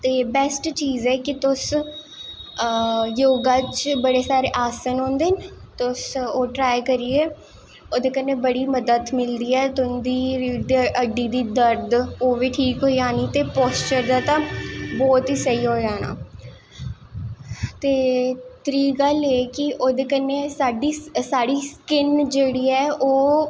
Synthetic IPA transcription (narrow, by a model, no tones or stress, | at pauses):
t̪eːbɛːsʈt͡ʃiːzɛːkɪt̪ʊs | joːɡãːt͡ʃbəɽeːsaːɾeːʔaːsənɦõːnd̪eːnɪt̪ʊsoːʈɾaːjkəɾiːeː | oːd̪eːkənːeːbəɽiːməd̪ət̪mɪld̪iːɛːt̪ʊnd̪iːd̪eʔəɖːiːd̪iːd̪əɾd̪oːʋiːʈʰiːkɦoːiaːniːt̪eːpɔːst͡ʃəɾd̪aːt̪ãbɔːt̪iːsəiːɦoːd͡ʒaːna̰ː | t̪eːt̪ɾiːɡəleːkɪʔoːd̪eːkənːeːsaːɖiːsaːɽiːskɪnd͡ʒeːɽiːɛːoː